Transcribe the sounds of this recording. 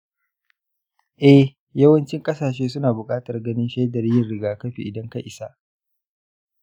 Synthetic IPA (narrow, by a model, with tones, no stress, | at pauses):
ʔɛ˦h | jɐ˦wɐ˦nt͡ʃɪ˦ŋkʼɐ˦saː˨ʃ̬eː˦sʊ˦naː˨bʊ˨kʼaː˦tɐ˨rɡɐ˦nɪ˦nʃɛ˦jdɐ˨ɾɪ˦jɪ˨rɽɪ˦ɡaː˨kɐ˦ɸḭ˨ʔɪ˨dɐ˦ŋka˦ʔɪ˨sa˦ʔ